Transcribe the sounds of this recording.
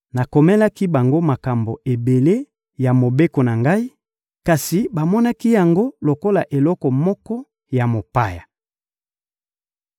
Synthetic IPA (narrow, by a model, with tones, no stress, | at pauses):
na˨ko˨mɛ˦la˦ki˦ba˨ŋɡo˦ma˨ka˨mbo˨ʔe˨be˨le˦ | ja˨mo˨be˦ko˨na˨ŋɡa˦i˦ | ka˨si˨ba˨mɔ˦na˦ki˦ja˨ŋɡo˦lo˨ko˦la˨ʔe˨lɔ˦kɔ˨mɔ˦kɔ˦ | ja˨mo˨pa˦ja˨